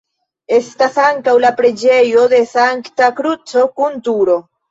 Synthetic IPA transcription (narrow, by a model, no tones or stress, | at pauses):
e̞stasaŋkawlapɾe̞d͡ʒe̞jo̞de̞saŋktakɾut͡so̞kuntuɾo̞